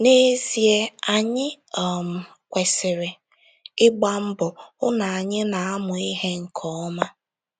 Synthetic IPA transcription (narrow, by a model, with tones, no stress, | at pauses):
ne˦zi˨e˦a˨ɲɪ˦ | ɔ˨m̩˨ | kʷe˨sɪ˨ɾe˨ | ɪ˦ɡ͡ba˦m̩˦bʊ˨ʊ˦na˨a˨ɲɪ˦na˨a˦mʊ˨i˦ɦe˦ŋ̩˨kʰɔ˦ɔ˦ma˦